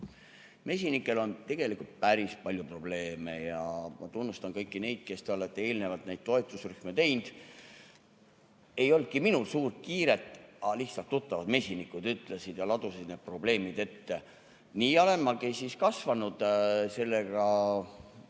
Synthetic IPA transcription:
me̞s̬ʲinikːˑe̞lo̞nt̪e̞ɡ̥e̞likˑult̪̚pæɾispɑlʲjupro̞b̥le̞ːme̞jɑmɑ̰t̪unːust̪ɑnkɤjkːˑine̞jd̪̥̚ke̞st̪eoet̪ːee̞ːlne̞vɑlt̪ˑnæjd̪̥̚t̪o̞e̞t̪ːˑusryhmet̪e̞jnd̪̥ | e̞jo̞lt̪̚kiminulsuːrt̪̚kiːɾet̪ːˑɑlih̪sɑlt̪ːut̪ːɑvɑd̪me̞sʲinikːˑud̪̥yt̪ˑlesid̪̥jɑlɑd̪usid̪̥neːd̪̚pro̞ble̞ːmid̪̥e̞t̪ːe | niːɑle̞nmːɑkisiskɑsvɑnud̪̥se̞lːeɡ̥ɑ

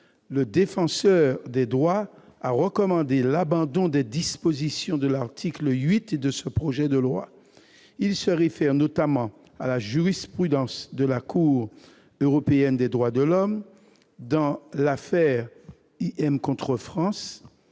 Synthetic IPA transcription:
ləd̪efɑ̃sœʁd̪ɛd̪ʁwaaʁəkɔmɑ̃d̪elabɑ̃d̪ɔ̃d̪ɛd̪ispozisjɔ̃d̪əlaʁt̪ʰikləɥit̪d̪əsəpχoʒɛd̪əlwa̰ | ilsəʁefɛʁnot̪amɑ̃ | alaʒyʁispχyd̪ɑ̃sd̪əlakuːʁ | øʁɔpeɛnd̪ɛd̪ʁwad̪əlɔm | d̪ɑ̃lafɛʁ | iʔɛmkɔ̃t̪χəfχɑ̃s

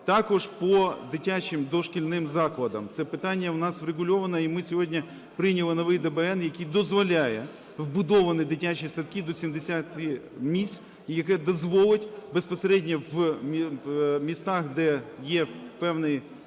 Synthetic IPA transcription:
t̪ɑkɔʒpɔd̪ɪtʲat͡ʃʲɪmd̪ɔʃkʲɪlʲnɪmzɑklˠɐd̪ɐmt̪sɛpɪt̪ɑnʲːɐwnɑswɾeɣʊlʲɔʋɐnɐimɪsʲɔɦɔdʲnʲɐ | pɾɪnʲɐlˠɪnɔʋɪjd̪ɛbɛɛnjɐkʲid̪ɔzʋɔlʲajɛ | wbʊd̪ɔʋɐnɪd̪ɪtʲat͡ʃisɐt̪kʲid̪ɔsʲimd̪esʲat̪ɪmʲisʲ | jɐkɛd̪ɔzʋɔlˠɪtʲbespɔseɾɛdʲnʲɐwʲ | mʲist̪ɑxd̪ɛjɛpɛwnɪj

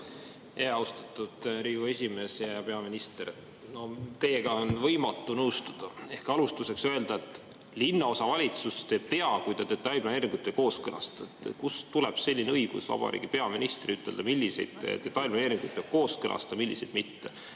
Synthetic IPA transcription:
eːɑwst̪ɑ̥t̪ːˑud̪̥ɾiːɡ̥ue̞sʲime̞ːsjɑɑpe̞ɑminist̪eɾ | no̞t̪e̞ːɡ̥ɑonvɤjmɑt̪ːˑunɤwst̪ɑd̪̥ɑe̞hkɑlust̪use̞ksøe̞ld̪̥ɑet̪ːˑ | linːɑo̞sɑvɑlʲit̪sust̪e̞ːb̥̚t̪e̞ɑkujd̪ɑd̪e̞t̪ːɑlʲplɑneːɾiŋɡ̥ut̪ːˑeko̞ːskɤlɑ̰st̪ɑet̪ːkust̪uleb̥se̞lʲːineɤjɡ̥ṵsvɑ̰b̥ɑ̰ɾḭːɡ̥ipe̞ɑminist̪riyt̪ːˑe̞ld̪ɑmilʲːise̞̰jd̪̥ḛd̪̥e̞t̪ːɑlʲplɑneːɾiŋɡ̥ujt̪̚peb̥̚ko̞ːskɤlʔɑ̰st̪ɑmilʲːise̞jd̪̥mit̪ːe̞

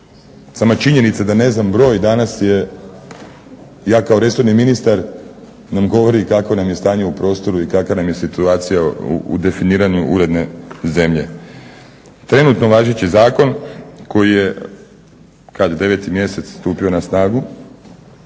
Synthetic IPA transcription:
samat͡ʃiɲe̞nit̪sad̪ane̞znambɾo̞ːjd̪anasje̞ | jaːkao̞ɾe̞soɾniminist̪aɾ | namɡo̞ʋo̞ɾikakonamjest̪aːɲe̞upɾo̞ːst̪o̞ɾuikakanamje̞sit̪uaːt̪sijaṵṵd̪e̞finiːɾaɲuʔuɾe̞d̪ne̞ze̞mʎe̞ | t̪ɾe̞nuːt̪no̞ʋaːʒet͡ɕizaːko̞nko̞jije̞ | kad̪od̪e̞ʋe̞t̪imje̞se̞t̪sst̪uːpio̞nasnaːɡu

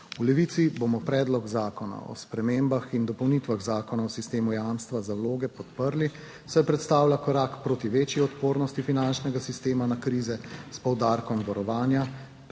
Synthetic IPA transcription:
ulɛʋiːt̪sibomɔpɾɛːd̪lɔɡzaːkɔna̰ɔ̰spɾɛmeːmbaxind̪ɔpɔwnit̪ʋaɣzaːkɔnaɔsist̪eːmujamst̪ʋazawloːɡɛpɔt̪pəɾli | sajpɾɛt̪st̪aːwlakɔɾakpɾoːt̪iʋeːt͡ʃjiɔt̪poːɾnɔst̪ifinant͡ʃnɛɡasist̪eːmanakɾiːzɛspɔwd̪aɾkɔmbɔɾɔʋaːnja

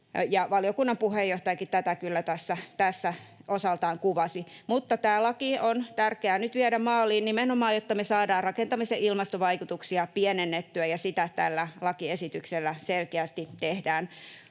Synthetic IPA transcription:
jɑʋɑliokunːɑmpuhejːoht̪ɑjɑkitt̪æt̪ækylːæt̪æsːæt̪æsːæosɑlt̪ɑːŋkuʋɑsimut̪ːɑt̪æːlɑkiont̪ærkeæːnyt̪ʋiɛɾæmmɑːliːnnimenomɑːjjot̪ːɑmesɑːdɑːrrɑkent̪ɑmiseʔilmɑst̪oʋɑikut̪uksiɑpienenːet̪ːyæjɑsit̪æt̪æ̰lːælɑkiesit̪ykselːæselkeæst̪it̪ehdæːn

